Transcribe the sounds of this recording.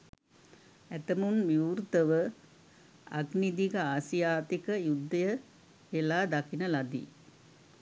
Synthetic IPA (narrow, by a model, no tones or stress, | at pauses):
æt̪əmunmjiuuːrt̪əʋə | a̰ɡnid̪ikəaːsijaːt̪ikəjud̪ːəjə | ʋelaːd̪akinəlad̪ḭ